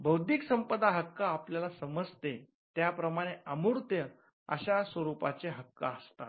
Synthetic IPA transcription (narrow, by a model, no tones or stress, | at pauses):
bəwd̪ʱiksəmpəd̪aɦəkːaːpljalasəməd͡zt̪e | t̪japɾəmaɽ̃eəmuɾt̪jə | ə̰ɕasʋəɾupat͡seɦəkːa̰əst̪a̰